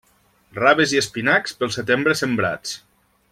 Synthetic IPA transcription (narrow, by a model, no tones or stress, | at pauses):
raβeziespinakspəlˠset̪embɾəsembɾa̰t͡s